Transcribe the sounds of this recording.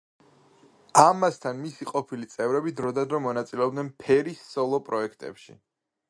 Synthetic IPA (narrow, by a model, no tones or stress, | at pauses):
amast̪ʰanmisiqʼɔpʰilit̪sʼɛvɾɛbid̪ɾɔd̪ad̪ɾɔmɔnat̪sʼilɛɔb̚d̪nɛnpʰɛɾisːɔlˠɔpʼɾɔɛkʰt̪ʼɛ̰pʃḭ